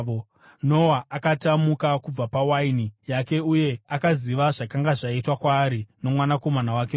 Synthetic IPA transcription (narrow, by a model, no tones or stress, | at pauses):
o | no̞waʔakatamukakub͡vapawainijake̞uje̞akaziʋaʐakaŋɡaʐaitwakwaːɾino̞mwanako̞manawake